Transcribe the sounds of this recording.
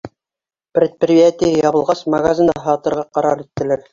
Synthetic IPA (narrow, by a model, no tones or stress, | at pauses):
prʲet̪̚prʲiat̪ʲijjɑβɤ̆lˠʁɑsmɐɡazʲind̪ɑɑɦɑt̪ɤ̆ɾʁɑqɑɾɑɾit̪ːɘ̆læɾ